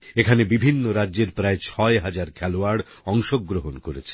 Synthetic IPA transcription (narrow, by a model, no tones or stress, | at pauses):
ekʰanebibʱinːoɾadːʑeɾpɾaet͡ɕʰɔeɦad͡ʑaɾkʰɛloaɽ | ɔŋʃoɡːɾoɦonkoɾet͡ɕʰe̥